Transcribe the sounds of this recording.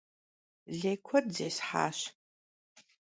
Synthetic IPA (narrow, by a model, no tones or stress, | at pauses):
ɮeːkʷʰɔrzeːsħa̰ːɕ